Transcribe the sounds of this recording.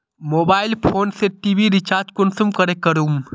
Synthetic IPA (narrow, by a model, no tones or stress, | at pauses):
moːbaːɪlpʰoːnseʈiːbiɾɪt͡ʃaːɾd͡ʒkʊnsumkəɾekəɾum